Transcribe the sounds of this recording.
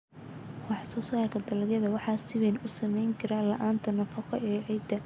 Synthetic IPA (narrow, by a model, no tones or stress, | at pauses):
wɑħɑsɔːsaːrkʰɐd̪ɐlɐɡjɐðɐwɑħɑːsɪwɛnʊsɐmɛjŋkʰɐɾɐlɐ̰ʔaːnt̪ʰɐnɐfɐqɔʔɛʕɛjd̪ɐ